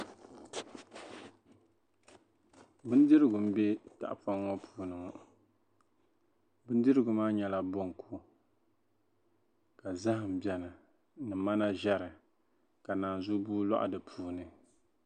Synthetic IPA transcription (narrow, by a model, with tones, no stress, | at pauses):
bɨ˦n˦dɨ˦ɾɨ˦ɡʊ˨m̩˦bɛ˦ta̰˨ʔfa˦ŋːɔ˦pʰuː˨nɨ˨ŋɔ˨ | bɨ˦n˦dɨ˦ɾɨ˦ɡʊ˨maː˦ɲɛ˦la˦bo˦ŋ˨ku˦ | ka˨za˦hɨ˨m̩˨bjɛ˨nɨ˨ | nɨ˨ma˦na˦ʒɛ˦ɾɨ˨ | ka˨naː˨n˨zʊ˦buː˦la̰˦ʔa̰˨dɨ˨pʰuː˦nɨ˨